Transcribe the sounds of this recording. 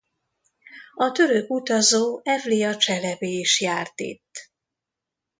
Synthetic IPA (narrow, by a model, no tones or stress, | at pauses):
ɒt̪ø̞ɾøkut̪ɒzoːʔɛvlijɒt͡ʃɛlɛbeːiʃjaːrt̪ḛːt̪ː